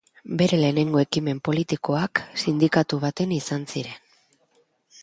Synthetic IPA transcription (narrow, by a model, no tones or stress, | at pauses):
be̞ɾe̞le̞ːne̞ŋɡo̞e̞kime̞mpo̞lit̪iko̞aksind̪ikat̪uβ̞at̪e̞nisansiɾe̞n